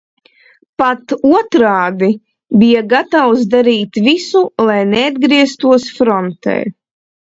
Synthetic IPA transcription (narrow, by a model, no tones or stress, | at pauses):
pat̪uɔt̪ɾaːd̪i | bijaɡat̪awsd̪aɾiːt̪visulˠajnead̪̚ɡɾiɛst̪uɔsfɾɔnt̪ɛ̰j